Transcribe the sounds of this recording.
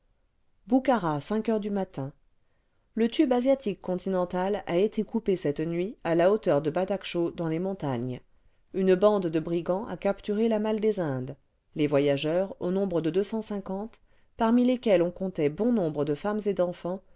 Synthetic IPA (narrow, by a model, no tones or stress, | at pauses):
bukaʁasɛ̃kœʁd̪ymat̪ɛ̃ | lət̪ybazjat̪ikːɔ̃t̪ʰinɑ̃t̪alaet̪ʰekupesɛt̪nɥialaot̪œʁd̪əbad̪akʃod̪ɑ̃lemɔ̃t̪aɲ | ynbɑ̃d̪ːəbʁiɡɑ̃ʔa̰kapt̪yʁelamald̪ezɛ̃d̪ | levwajaʒœʁonɔ̃bʁəd̪əd̪øsɑ̃sɛ̃kɑ̃t̪ | paʁmilekʲɛlɔ̃kɔ̃t̪ɛbɔ̃nɔ̃bʁəd̪əfamzed̪ɑ̃fɑ̃